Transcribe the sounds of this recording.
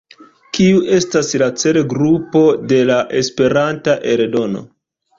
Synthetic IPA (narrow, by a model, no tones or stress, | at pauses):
kiuʔe̞staslat͡se̞ɾeɡɾupo̞de̞laʔe̞spe̞ɾantaʔe̞ɾedo̞no̰